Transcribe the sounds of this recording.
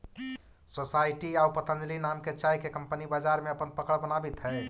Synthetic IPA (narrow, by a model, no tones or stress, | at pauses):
sosajʈiawpət̪ʰə̃nd̪linamket͡ʃajkekəmpənibad͡ʒaɾmeəpənpəkəɽbənabit̪ɦɛ